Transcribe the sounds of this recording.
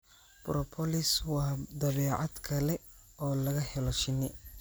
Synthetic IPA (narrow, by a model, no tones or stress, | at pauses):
b̥ɾɔpʰɔlɪswɑːd̪ɐβɛːʕɑd̪kʰɐlɛ | ɔːlɐɣɐhɛlɔʃɪnɪ̰